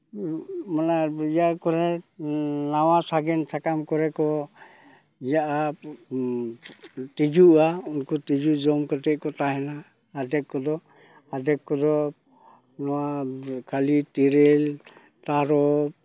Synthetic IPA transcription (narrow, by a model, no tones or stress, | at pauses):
manaijakɔɾɛ | nawasaɡɛnsʰakamkɔɾɛkɔ | ijaʔa | t̪id͡ʒuʔaunkɔtid͡ʒud͡ʒɔmkɔt̪ɛʔ̚kɔt̪aɦɛnaː | dɛkkːɔd̪ɔ | adɛkkɔd̪ɔ | nɔwakʰalit̪iɾɛl | t̪aɾɔ